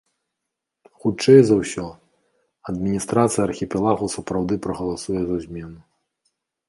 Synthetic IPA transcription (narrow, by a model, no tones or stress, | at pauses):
xut͡ʂɛjzɐwsʲɔ | ɐd̪mʲinʲist̪ɾat̪sɨjɐrxʲipʲɛlˠaɣusɐpɾawd̪ɨpɾɐɣɐlˠasujɛzɐzʲmʲɛnu